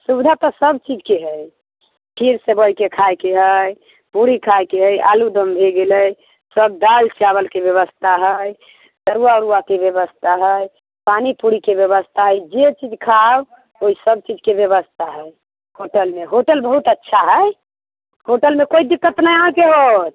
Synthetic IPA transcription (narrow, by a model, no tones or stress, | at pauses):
subd̪ʱat̪ɔsəbt͡ʃid͡ʒkeɦəj | pʰiɾsebəjkekʰajkeɦəj | puɾikʰajkeɦəja̰lud̪əmbʱeɡeləj | səb̚d̪alt͡ʃiabəlkebjəβəst̪ʰaɦəj | səɾuaɾuakebjəbəst̪ʰaɦəj | panipuɾikebjəβəst̪ʰaɦəjd͡ʒet͡ʃid͡ʒkʰab | oisəb̚t͡ʃid͡ʒkebjəβəst̪ʰaɦəj | hoʈəlmeɦoʈəlbəɦut̪ətːʃʰaɦəj | hoʈəlmekoid̪ikːət̪najɦãkeɦot̪̚